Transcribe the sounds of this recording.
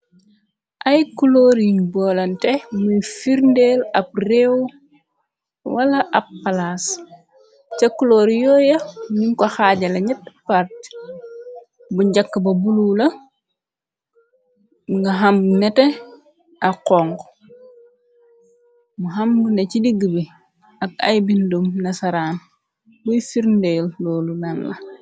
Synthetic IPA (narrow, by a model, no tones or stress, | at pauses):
ʔɐjkuloːɾiŋbɔːlɐntɛmufiɾndɛlɐp̚rɛw | wɐlɐʔɐpːalas | t͡ʃɐkuloːɾjɔːjɐmiɲkɔxaːɟɐlɐɲɐtːpaɾt̚ | buɲɟakːəbɐbululɐ | ŋɡɐɦambunɛtɛ | ʔaqɔŋɡ | muɦambunecidiɡəbi | ɐk̚a̰jbindumnɐsɐɾaːn | bujfiɾndɛllɔːlunanlɐ